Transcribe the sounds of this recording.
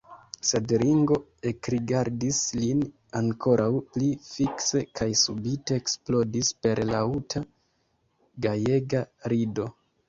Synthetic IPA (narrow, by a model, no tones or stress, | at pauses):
sedɾiŋɡo̞e̞kɾiɡaɾdislin | aŋko̞ɾʔawplifikse̞kʰajsubite̞ːksplo̞dispe̞ɾlautʰa | ɡaje̞ɡaɾido̞